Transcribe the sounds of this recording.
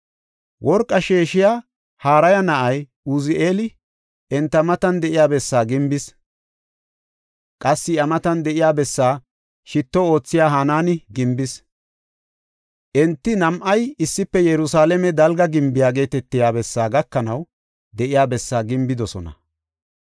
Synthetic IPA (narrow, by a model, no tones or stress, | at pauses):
wʔɔɾkʼːɐʃeːʃɪjaː | haːɾɐjɐnɐʔɐj | ʊzɪʔeːlɪ | ɛnt̪ːɐmɐt̪ɐnd̪ɛʔɪjaːbɛsːaːɡɪmbɪs | kʼɐsːɪɐmɐt̪ɐnd̪ɛʔɪjaːbɛsːaː | ʃɪt̪ːɔo̞ːt͡sːɪjaːɦanaːnɪɡɪmbɪs | ʔɛnt̪ːɪnɐmʔɐjɪsːɪpːɛjɛɾʊsaːlɛmɛd̪ɐlɡɐɡɪmbɪjaːɡe̞ːt̪ɛt̪ːɪjaːbɛsːaːɡɐkːɐnɐw | d̪ɛʔɪjaːbɛsːaːɡɪmbɪd̪ɔsɔ̰nɐ̰